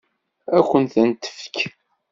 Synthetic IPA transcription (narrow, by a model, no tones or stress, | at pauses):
ækʷːənθənt̪ə̥fə̥k